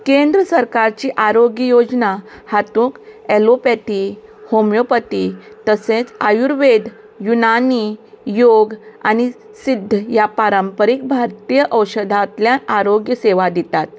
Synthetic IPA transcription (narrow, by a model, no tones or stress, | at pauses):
kẽnd̪ɾəsəɾkaɾt͡ɕiʔaɾoɡjəjod͡znahat̪ũːkelopet̪ihomjopət̪it̪əset͡sajuɾʋed̪ʱ | junani | joɡa̰ñi | sid̪ʱːəjapaɾəmpəɾik̚bʱaɾt̪ijəʔəwɕəd̪ʱat̪ljãnaɾoɡjəseʋad̪it̪at̪̚